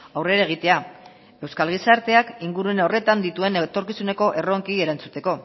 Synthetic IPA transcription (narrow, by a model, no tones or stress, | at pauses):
awre̞ɾae̞ɣ̞it̪e̞a | e̞wskalɣ̞isaɾt̪e̞akiŋɡuɾue̞nare̞t̪and̪it̪ue̞net̪o̞ɾkisune̞ko̞ʔe̞ro̞ŋkie̞ɾant͡sut̪e̞ko̞